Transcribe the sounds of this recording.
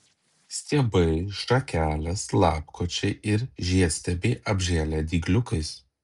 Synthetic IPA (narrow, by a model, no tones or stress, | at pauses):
sʲt̪ʲiɛbɐɪʃɐkʲæːlʲɛslˠɑːpkoːt͡ʃʲɛɪʔɪɾʒʲiɛsʲt̪ʲɛbʲeɪʔɐbʲʒʲæːlʲɛːd̪ʲiːɡlʲʊkɐɪs